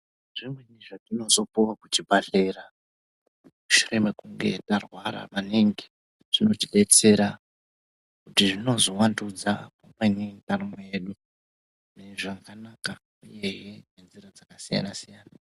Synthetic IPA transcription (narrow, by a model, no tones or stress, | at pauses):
ʐ̥imweniʐakino̞so̞puwakut͡ʃibʱaɬeɾa | muʃure̞me̞kuŋɡe̞̰tarwaɾa̰ʋaniŋɡi | ʐ̥ino̞tiɗe̞t͡se̞ɾa | kutiʐino̞zo̞wandud͡zapomwenintarimejeːɗu | neʐakanaka | uje̞ɦene̞nziɾad͡zakasija̰nasijaːna